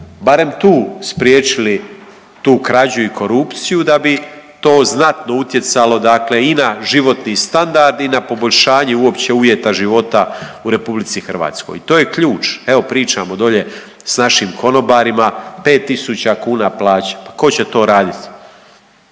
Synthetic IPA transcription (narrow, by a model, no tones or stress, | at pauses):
baɾe̞mt̪uːspɾjeːt͡ʃili | t̪uːkɾad͡ʑuikʰo̞ɾupt̪sijud̪abit̪o̞ːznat̪no̞ut̪je̞t̪salo̞d̪akle̞inaʒiʋo̞t̪nist̪and̪aɾd̪inapo̞boʎʲʃaːɲeuo̞pt͡ɕe̞uʋje̞t̪aʒiʋo̞t̪auɾe̞publit̪sixr̩ʋa̰ːt̪sko̞̰jit̪oːje̞kʎuːt͡ʃeʋo̞pɾiːt͡ʃamo̞d̪o̞ʎe̞ | snaʃiːmkʰo̞no̞baːɾimape̞ːt̪ːisut͡ɕakuːnaplˠaːt͡ɕḁpako̞t͡ɕe̞t̪o̞ːɾaːd̪it̪